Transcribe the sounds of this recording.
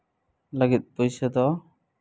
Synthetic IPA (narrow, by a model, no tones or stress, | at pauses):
ləɡit̪̚pɔjsad̪ɔ